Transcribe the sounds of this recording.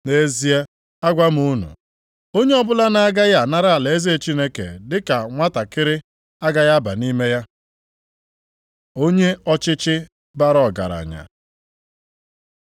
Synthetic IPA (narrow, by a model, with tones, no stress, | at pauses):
ne˦zi˦e˦ | a˦ɡʷa˦m̩˦u˦nṵ˨ | o˦ɲe˦ɔ˦bʊ˦la˦na˦ɡa˦ja˨na˦ɾa˦˨a˨le˨e˦zi˦e˨t͡ʃi˦ne˦kḛ˨dɪ˦ka˨ŋʷa˦ta˨kɪ˦ɾɪ˦ | a˦ɡa˦ja˦ba̰˨ni˦me˦ja˦ | o˦ɲe˦ɔ˦t͡ʃɪ˦t͡ʃɪ˦ | ba˦ɾɔ˨ɡa̰˨ɾa̰˨ɲa̰˨